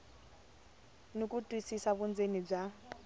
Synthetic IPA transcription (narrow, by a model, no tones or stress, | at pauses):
nokʼutʼwisisaβund͡zenib͡ʐa